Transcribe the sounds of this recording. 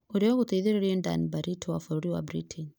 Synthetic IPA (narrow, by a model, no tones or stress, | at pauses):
oɾiɔɣut̪eiðeɾeɾiɛnda̰nibaɾitʰɔwafuɾoɾiwa̰bɾitʰin